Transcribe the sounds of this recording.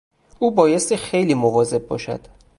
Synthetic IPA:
ʔuːbɒːje̞st̪ixejliːmovɒːze̞b̚bɒ̰ːʃæ̰d̪̥

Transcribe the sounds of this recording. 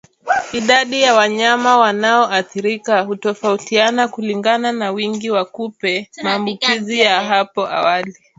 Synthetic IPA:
iɗaɗijawaɲamawanaɔʔaθiɾikahutɔfautianakuliŋɡananawiŋɡiwakupɛmaːmbukizijaɦapɔʔa̰wali

